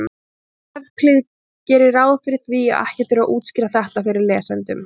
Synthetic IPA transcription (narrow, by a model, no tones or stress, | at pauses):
ɛvkʰlɪð | cɛːɾɪɾaːwðfɪɾɪɾ̥θviːa̰ɛ̰hcɪ̥t̪θɪɾaʔuːt̪scɪɾaθɛht̪afɪɾɪɾlɛːsɛnt̪ʏm